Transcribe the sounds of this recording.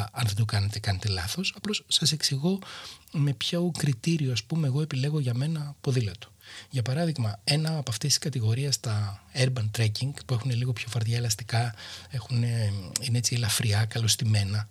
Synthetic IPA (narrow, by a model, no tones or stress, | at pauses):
ɐnðe̞d̪okɐnet̪e̞kɐnet̪e̞lɐθo̞sɐplo̞sːɐse̞ksiɣo̞me̞pçokɾit̪iɾioɐspume̞ːɣoe̞pile̞ɣo̞ʝɐme̞nɐpo̞ðilɐt̪u̥ʝɐpɐɾɐðiɣmɐe̞nɐːpoɐft̪esi̥skɐt̪iɣo̞ɾiɐst̪ɐeɾbɐnt̪ɾeciŋɡpue̞xune̞liɣo̞pço̞fɐɾðʝɐe̞lɐst̪ikɐe̞xuneineet͡sielɐfɾiɐkɐlo̞st̪ime̞nɐ